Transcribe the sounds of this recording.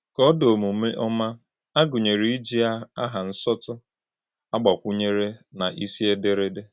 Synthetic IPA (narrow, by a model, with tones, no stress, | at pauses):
kɔ˦do˨mu˨me˦ʔɔ˦ma˦ | a˦ɡʊ˨ɲe˨ɾi˦i˦d͡ʒi˦a˦a˦ɦa˨n̩˦sɔ˦tʊ˦ | a˦ɡ͡ba˨kʷu˦ɲe˦ɾe˦na˨ʔi˦si˦e˦de˦ɾe˦de˦